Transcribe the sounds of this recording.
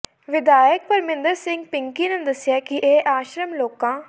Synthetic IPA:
ʋɪd̪aːjək̚pəɾmɪ̃nd̪əɾsɪ̃ŋɡ̚pɪŋkiːnẽːd̪əsɪjaːkɪʔeːʔaːʃɾəmloːkãː

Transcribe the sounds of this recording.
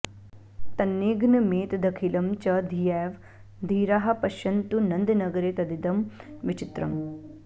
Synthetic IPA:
t̪ɐnːeːɡnɐmeːt̪d̪ɐkʰilɐmt͡ʃɐd̪ʱijɛːʋ | d̪ʱiːɾaːɦɐ̆pɐʃɐnt̪unɐnd̪inɐɡɐɾeːt̪ɐd̪id̪ɐmʋit͡ʃit̪ɾɐm

